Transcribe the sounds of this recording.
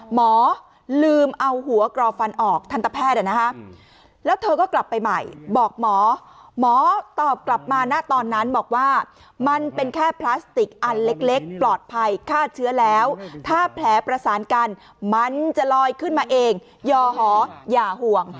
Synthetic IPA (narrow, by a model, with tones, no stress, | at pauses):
mɔː˩˦ | lɯː˧mʔa˧whu˩˦ɐkɾɔː˧fa˧nʔɔː˨˩k̚t̪ʰa˧nt̪a˧˩pʰɛː˥˩t̪̚ʔa˨˩na˦˥kʰa˦˥ | lɛː˦˥wt̪ʰɤː˧kɔː˥˩kla˨˩pːa˧jma̰˨˩jbɔː˨˩k̚mɔː˩˦mɔː˩˦t̪ɔː˨˩p̚kla˨˩p̚maː˧naː˥˩t̪ɔː˧nːa˦˥nbɔː˨˩k̚waː˥˩ | ma˧npe˧nkʰɛː˥˩pʰlaː˦˥st̪i˨˩k̚ʔa˧nle˦˥k̚le˦˥k̚plɔː˨˩t̪̚pʰa˧jkʰaː˥˩t̪̚t͡ɕʰɯ˦˥ɐlɛː˦˥wt̪ʰaː˥˩pʰlɛː˩˦pɾa˧saː˩˦nka˧n | ma˧nt͡ɕa˨˩lɔː˧jkʰɯ˥˩nmaː˧ʔeː˧ŋ | jɔː˧ɦɔː˩˦jaː˨˩hu˨˩əŋ